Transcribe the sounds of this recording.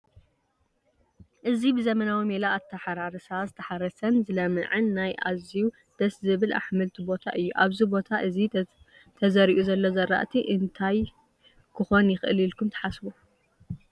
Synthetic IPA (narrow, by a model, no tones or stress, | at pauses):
ʔɨzibɨzɐmɐnawimelaːt̪ʰːɐħaɾaɾɨsazɨt̪ʰɐħaɾɐsɐnzɨlɐmɨ̰ʕɨnːajʔa̰ziw | d̪̥ɐszɨβɨlʔa̰ħmɨlt̪ʰibot̪ʰa̰ʔɨjːuʔaβzibo̞t̪ʰaʔɨzi | t̪ʰɐzɐɾiʔuzɐlːozɐɾːa̰ʔt̪ʰiʔɨnt̪ʰaj | kʰɨxo̞njɪxɨlilkʰumt̪ʰɐ̥ħasbu